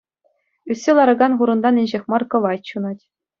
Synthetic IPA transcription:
ysʲːelˠɑɾɤ̆ɡɑnχuɾɤ̆nd̪ɑnɘ̆nʲʑexʲmɑrkɤ̆ʋɑtʲɕunɑtʲ

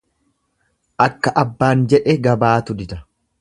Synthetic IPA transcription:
ʔɐkːɐʔɐbːaːnd͡ʒɛᶑɛɡɐbaːt̪ʊd̪ɪd̪ɐ

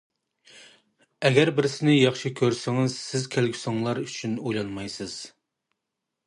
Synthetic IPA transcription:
ɛɡʲɛɾbɪɾsɪnɪjɑχʃikʲʰøɾsɪŋɪzsɪzkʲʰælɡʲy̥sɑŋlˠɑɾyt͡ʃʰynojlˠɑnmɑjsɨz̥

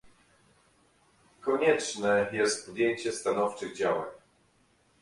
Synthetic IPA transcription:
kɔɲɛt͡ʂnɛjɛst̪̚pɔd̪ʲjeɲt͡ɕɛst̪anɔft͡ʂɘɣd͡ʑawa̰ɲ

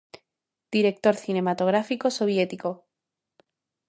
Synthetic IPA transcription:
d̪̥iɾe̞k̚t̪o̞ɾθine̞mat̪o̞ɣ̞ɾafiko̞so̞β̞je̞t̪iko̞

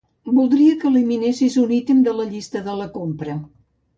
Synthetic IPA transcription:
bulˠd̪ɾiəkəːliminesizunit̪imd̪ələʎist̪əðələkompɾə

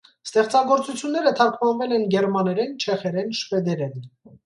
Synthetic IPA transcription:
st̪ɛχt͡sɑɡɔɾt͡sut͡sʰjunːɛɾət̪ʰɑɾkʰmɑnvɛlɛnɡɛɾmɑnɛɾɛnt͡ʃʰɛχɛɾɛnʃvɛd̪ɛɾɛn

